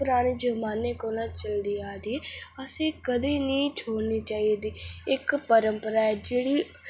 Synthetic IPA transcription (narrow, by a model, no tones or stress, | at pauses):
pʊɾaːneːd͡ʒəmaːneːkoːlãːt͡ʃəld̪iːaːd̪iːəsẽːkəd̪eːnĩːt͡ʃʰoːɽniːt͡ʃaːid̪iːɪkpəɾəmpəɾaːɛːd͡ʒeːɽiː